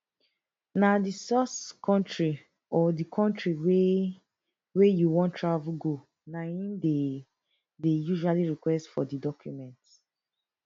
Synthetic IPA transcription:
nadisɔskʰɔ̃ntɹi | ɔdikʰɔ̃ntɹiwe | wejuwɔ̃ntʰɹavulɡo | naĩmde | dejuʒualiɹikwɛstfɔdidɔkʰjṵmɛ̃nt

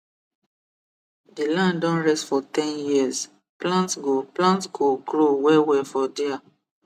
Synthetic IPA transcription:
dilãndɔ̃nɹɛstfɔtɛ̃njiz | plãntsɡoplãntsɡoɡɾowɛwɛfɔdia

